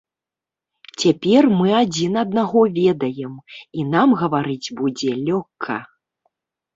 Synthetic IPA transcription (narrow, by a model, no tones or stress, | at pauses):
t͡sʲapʲɛrmɨad͡zʲinɐd̪̚naɣɔvʲɛd̪ɐjɛminamɣɐvaɾɨd͡zʲbud͡zʲɛlʲɔkʰːɐ̰